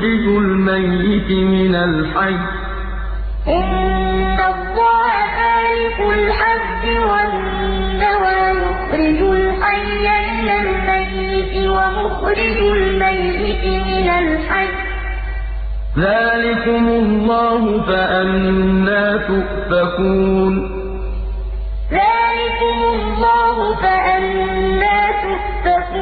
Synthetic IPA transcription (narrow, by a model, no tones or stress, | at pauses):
ɾɪd͡ʒʊlmajːɪt̪ɪmɪnalħaj | ʔɪnː | alˤːɑːhaxaːlɪkʊlħab | ɪwaʔɪn | dawajʊxɾɪd͡ʒʊlħajːamɪnalmajːɪt̪ɪwamʊxɾɪd͡ʒʊlmajːɪt̪ɪmɪnalħad͡ʒ | ðaːlɪkʊmʊlːɑːɦʊfaʔanːaːt̪ʊʔt̪akuːn | ðaːlɪkʊmʊlːɑːɦʊfaʔanːaːt̪ʊʔt̪akː